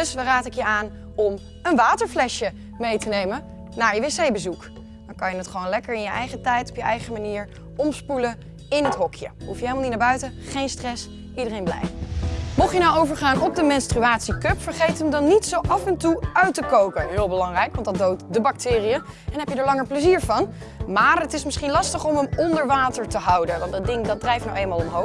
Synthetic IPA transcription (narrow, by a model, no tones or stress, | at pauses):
sʋaraːtɪkjəaːn | ɔm | ənʋaːtəɹflɛʃjə | mejtənejmə | naːɹjəʋesejbəzuk | d̥ɑŋkɑjənətχəʋownlɛkəɹɪnjəʔɛjχətɛjtɔ̥pjəʔɛjχəmaniːɹ | ɔmspulə | ɪnɦətɦɔkʰjəɦufjəeɪlmɑlˠnit̚naɹbœɥtəχejnstrɛs | ʔidərejnblɛ̰jfmɔχjənawowvəɹχaːnɔb̚dəmɛnstryaːtsikøpfəɹχejtəmdɑnːitsowʔɑfɛntuœɥtəkowkəɦɪːlˠbəlɑŋrɛjkʋɑntdɑndowtdəbɑk̚tɪːrijə | ɛnɦɛpjədaːɹlɑŋəɹpləziːɹvɑn | maːɹətɪsmɪsχinlɑstəχɔməmɔndəɹʋaːtəɹtəɦɑwdəʋɑntdɑdɪŋdɑdrɛjfnawejlmaːlˠɔmɦow